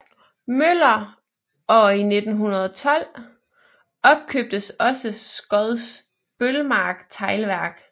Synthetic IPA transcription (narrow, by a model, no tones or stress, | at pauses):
møl̰ɐ | ɒine̝d̥n̩ɦunɐð̞ˠɒt͡sʰɒ̽l̰ | ɒ̽b̥̚kʰøb̥̚d̥əsɒ̽səsɡ̥ɒðˠs | b̥ølmɑ̈ːɡ̥t͡sʰɑ̈ɪlʋæɐ̰ɡ̥